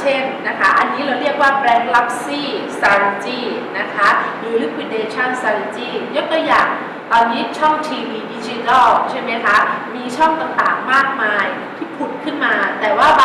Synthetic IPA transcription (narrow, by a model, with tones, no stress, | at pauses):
t͡ɕʰe˥˩nna˦˥kʰa˦˥ʔa˧nːiː˦˥ɾa˧wɾi˥˩ək̚waː˥˩pɾɛː˧ŋla˦˥p̚siː˥˩saː˧ɾa˧nt͡ɕiː˥˩ | na˦˥kʰa˦˥liː˨˧˩li˦˥kʰwi˧˥deː˧t͡ɕʰɔ˥˩nsaː˧ɾe˧nt͡ɕiː˥˩jo˦˥k̚t̪uː˧jaː˨˩ŋ | t̪ɔː˧niː˦˥t͡ɕʰɔ˥˩ŋt̪ʰiː˧wiː˧di˦˥t͡ɕi˦˥t̪a˥˩lt͡ɕʰe˥˩ma˦˥jkʰa˦˥miː˧t͡ɕʰɔ˥˩ŋt̪a˨˩ŋt̪aː˨˩ŋmaː˥˩k̚maː˧j | t̪ʰiː˥˩pʰu˨˩t̪̚kʰɯ˥˩nmaː˧t̪ɛː˨˩waː˥˩